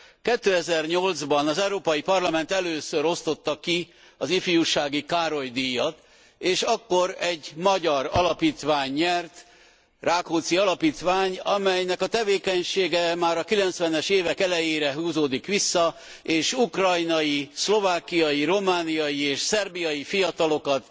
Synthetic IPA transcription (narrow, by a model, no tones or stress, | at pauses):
kɛt̪ːøːɛzɛrɲo̞ld̪zbɒnɒzɛuɾoːpɒjipɒrlɒmɛnt̪ɛløːsøɾo̞st̪o̞t̪ːɒki | ɒzifijuʃaːɡikaːɾo̞jd̪ijːɒt̪ | eːʃɒkːo̞ɾɛɟmɒɟɒɾɒlɒpiːt̪ʋaːɲːɛrt̪ | raːkoːt̪siɒlɒpiːt̪ʋaːɲɒmɛjnɛkɒt̪ɛveːkɛɲʃeːɡɛmaːɾɒkilɛnt̪sʋɛnɛʃeːvɛkɛlɛjeːɾɛɦuːzoːd̪ikʋisːɒ | eːʃukrɒjnɒjislo̞vaːkijɒjiɾo̞maːnijɒjieːʃsɛrbijɒjifijɒt̪ɒlo̞kɒt̪